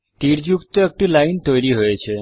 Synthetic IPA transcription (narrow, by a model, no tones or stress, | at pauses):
t̪iɾd͡ʒukt̪oek̚ʈulaint̪ojɾiɦojet͡ʃʰe